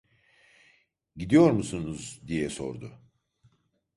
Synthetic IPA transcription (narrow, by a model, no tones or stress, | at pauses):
ɟid̪ijo̞ɾmusunuzd̪ijɛso̞̰ɾd̪ʊ